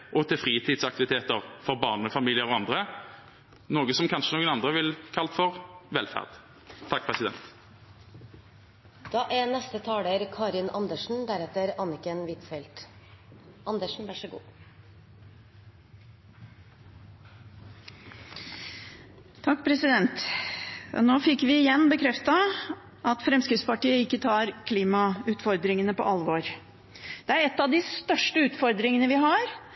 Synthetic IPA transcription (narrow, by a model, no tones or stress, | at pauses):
ʔɔt̪ʰɪlfʁiːt̪ʰɪːd̪sɑkt̪ɪʋɪt̪ʰeːt̪əʁfɔʁbɑːʁnməfɑmiːlɪəʁɔɑnd̪ʁə | noːɡəsɔmkʰɑnʂənoːɡənɑnd̪ʁəʋɪlkʰɑlt̪fɔʁʋɛlfæ̰ʁd̪ʰ | ɑk̚ːpʰʁɛsɪd̪ɛ̰nt̪ | d̪̥ɑːʔænɛst̪ət̪ʰɑːɽəɾkʰɑːɾɪnʔɑnd̪əʂn̩d̪æɾɛt̪əɾɑnɪkənʋɪt̪fɛlt̪ | ʔɑnd̪əʂɳ̩ʋæʂəɡṵː | t̪ʰɑkːpʰɾɛsɪd̪ɛnt̪ | noːfɪkːʋɪɪjɛnːbəkʰɾɛft̪ɑ | ʔɑt̪fɾɛmskɾɪt̪spɑʈiːəɪkːət̪ʰɑːɾkʰliːmɑʉːt̪fɔɾd̪ɾɪŋənəpɔ̰ʔɑlʋoːɾ | d̪̥ɛæɾɛt̪ːɑʋd̪ɪst̪œʂʈəʉːt̪fɔɾd̪ɾɪŋənəʋɪɦɑːɾ